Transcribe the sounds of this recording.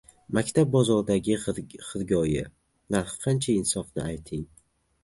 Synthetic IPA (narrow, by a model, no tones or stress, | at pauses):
makʲt̪ʰab̚bɒzɒɾd̪aɡʲɪχɨɾɡʲɒjɪ̰ | naɾhqʰɑnt͡ʃʰaɪnsɒfnɪ̰ajt̪ʰɪŋ